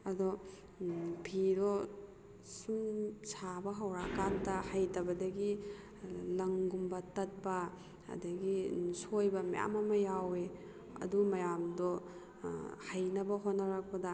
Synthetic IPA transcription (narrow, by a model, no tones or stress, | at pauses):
ɐdɔ | pʰiɾɔ | sumsabɐɦɐwɾakantɐhajtɐbɐdɐɡi | lɐŋɡumbɐtɐt̚bɐ̰ː | dɐɡisojbɐmaja̰mɐmɐjawe | ɐ̰dumɐjamdɔ | hajnɐbɐɦotnːɐɾak̚pɐdɐ